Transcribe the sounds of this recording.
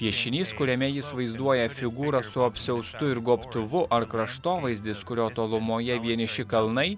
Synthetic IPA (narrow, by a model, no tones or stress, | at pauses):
pʲiɛʃʲɪnʲiːskʊɾʲɛmʲɛjɪsʋɐɪzd̪uɔjɛfʲɪɡuːɾɐsʊɐpʲsʲɛʊst̪ʊɪɾɡoːpt̪ʊʋʊʔɐɾkɾɐʃt̪oːʋɐɪzʲd̪ʲɪskʊɾʲoːt̪oːlˠʊmoːjɛʋʲiɛnʲɪʃʲɪkɐlˠnɐɪ